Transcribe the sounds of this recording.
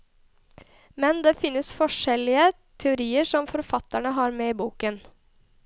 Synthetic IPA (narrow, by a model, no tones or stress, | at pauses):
mɛnd̪eːfɪnːəsfɔʂɛlɪə | t̪ʰɛʊɾiːəɾʂɔmfɔɾfɑt̪æɳəɦɑːɾmeːiːbuːkən